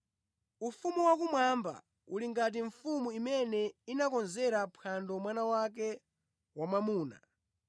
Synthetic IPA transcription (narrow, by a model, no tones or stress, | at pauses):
ufumuwak̬umwamba̰ | uliŋɡat̬iɱfumuimɛnɛinakɔnzɛɾapʰandɔmwanawak̬ɛ | wamamuːna̰